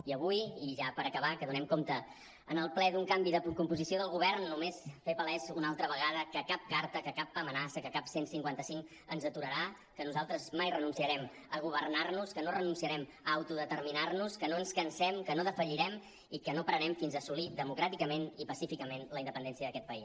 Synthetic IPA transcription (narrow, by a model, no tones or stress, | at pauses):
iəβ̞ujiʒapəɾəkəβ̞akəðunɛmkomt̪ə | ənəlˠplɛðuŋkambiðəpkumpuzisioðəlˠɣuβɛrnːumesfepəlɛzunalˠt̪ɾəβəɣaðəkəkap̚kaɾt̪əkəkapːamənasəkəkapsensiŋkwant̪əsiŋ | ənzət̪uɾəɾa | kənuzalˠt̪ɾəzmajrənunsiəɾɛm | əɣ̞uβ̞ərnarnuskənorənunsiəɾɛm | əwt̪uðət̪ərminarnuskənoənskənsɛmkənoðəfəʎiɾɛm | ikənopəɾənɛmfinzəsulidðəmukɾat̪ikəmenipəsifikəmenləind̪əpəndɛnsiəðəkɛt̪pəis